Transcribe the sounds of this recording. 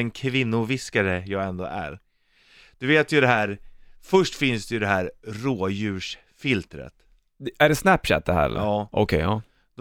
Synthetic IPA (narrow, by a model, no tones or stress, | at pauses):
ɛnkʰvɪnːʊvɪskaɾəjɑːɡɛnd̪o̰ːʔæ̰ɾ | d̪̥ɵveːt̪jɵd̪ɛɦæːɾfœʂʈfɪnsd̪ɛjɵd̪ɛɦæːɾɾoːjʉ̟ːʂ | fɪlt̪ɾə̰t̪ | æɖɛsnæpːɕɛ̰t̪̚d̪ɛhæ̰ːɾɛ̰lɑːʔɔ̰kʰɛjɑː | d̪̥